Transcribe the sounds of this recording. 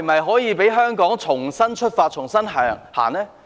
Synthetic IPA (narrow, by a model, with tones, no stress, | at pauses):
m˨ɐ˨jɦɔː˨˥jiː˨˧pe˨˥jɦœː˥ŋkɔː˨˥ŋt͡ʃʰʊ˨˩ŋsɐ˥nt͡ʃʰɵ˥t̚faː˧t̚t͡ʃʰʊ˨˩ŋsɐ˥nɦaː˨˩ŋha̰ː˨˩nlɛː˥